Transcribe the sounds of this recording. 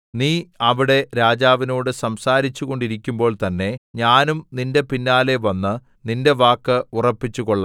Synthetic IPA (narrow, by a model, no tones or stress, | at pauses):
niːɐʋiɽe̞ɾaːd͡ʑaːʋino̞ːɽɨsɐmsaːɾit͡ɕːuɣo̞ɳɖiɾikʲːumbo̞ːɭt̪ɐnːe̞ɲaːnumninde̞pinːaːle̞ʋɐnːɨ | ninde̞ʋaːkːɨurɐpːit͡ɕːuɣoɭːɐ